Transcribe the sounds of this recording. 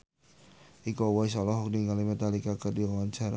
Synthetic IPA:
ʔikɔwaisɔlɔɦɔk̚niŋalimɛt̪alikakədiwaɲt͡ʃaɾa̰

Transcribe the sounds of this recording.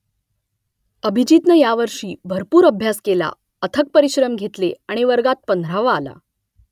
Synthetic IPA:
əbʱid͡ʑiːt̪nəjaʋəɾʂiːbʱəɾpuːɾəbʱjaskela̰ | ət̪ʰək̚pəɾiɕɾəmɡʱet̪leaɽ̃iʋəɾɡat̪̚pənd̪ʱɾaʋaːla̰

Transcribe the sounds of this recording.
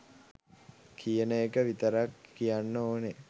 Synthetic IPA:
kʰijənəekəʋit̪əɾakːijanːəoːne

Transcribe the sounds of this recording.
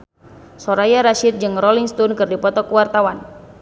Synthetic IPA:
sɔɾajaɾaʃit̪̚d͡ʒɨŋrɔliŋst̪ɔnkɨrdipɔt̪ɔkəwart̪awan

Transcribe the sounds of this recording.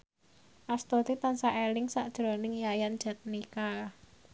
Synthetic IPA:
ʔast̪ot̪it̪ansaʔelɪŋsaʔd̥ʒ̥ɾɔnɪŋjajand͡ʒ̥ɛt̪̚nika

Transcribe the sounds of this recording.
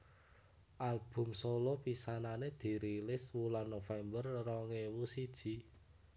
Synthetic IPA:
ʔalb̥ʊ̤msolɔpisananed̪̥i̤ɾilɪswulanːofɛmbərrɔŋewusid̥ʒ̥i̤

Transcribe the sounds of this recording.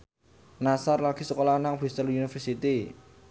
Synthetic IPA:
nasarlaɡ̥i̤səkolanaŋb̥ɾist̪əlunifərsit̪i

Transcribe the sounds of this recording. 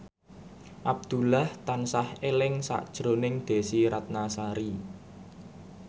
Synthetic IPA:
ʔab̚d̪̥ṳlaht̪ansahelɪŋsa̰ʔd̥ʒ̥ɾonɪŋd̪̥e̤siɾat̪̚nasaɾi

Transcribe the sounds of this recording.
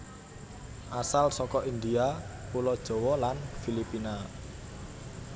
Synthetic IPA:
ʔasalsɔkɔʔind̪iapulɔd̥ʒ̥ɔ̤wɔlanfilipina

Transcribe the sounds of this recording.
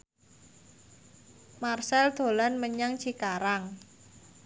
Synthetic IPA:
marsɛld̪̥o̤lanməɲaŋt͡ʃikaɾaŋ

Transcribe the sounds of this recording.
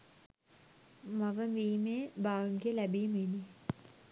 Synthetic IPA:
mɐʋəmʋiːmeːbaːɡŋɡijəlæbiːmeni

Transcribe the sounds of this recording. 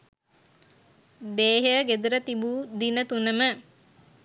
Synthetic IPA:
d̪eːɦəɡed̪uɾət̪ibud̪inət̪unəmə

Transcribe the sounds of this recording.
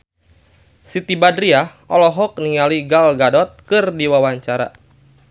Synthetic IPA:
sit̪ibadɾia | ɔlɔɦɔk̚niŋaliɡalɡadɔt̪̚kɨrdiwawaɲt͡ʃaɾa̰

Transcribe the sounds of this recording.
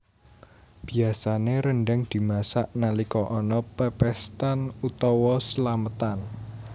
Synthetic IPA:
b̥i̤asaneɾəɳɖɛŋd̪̥i̤masaʔnalikɔʔɔnɔpəpɛst̪anut̪ɔwɔsəlamət̪an

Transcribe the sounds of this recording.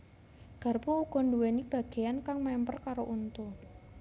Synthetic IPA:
ɡ̥a̤rpouɡ̥ɔ̤nduwenib̥ä̤ɡ̥e̤jankaŋmampərkaɾoʔunt̪u

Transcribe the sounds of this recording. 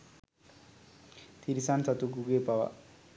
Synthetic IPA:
t̪ʰiɾisansat̪uɡuɡepawa̰

